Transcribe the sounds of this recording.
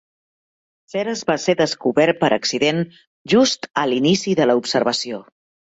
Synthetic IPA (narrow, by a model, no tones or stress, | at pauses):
sɛɾəzβaseðəskuβɛɾ̚pəɾʔəksiðen | ʒust̪əlinisiðələupsəɾβəsio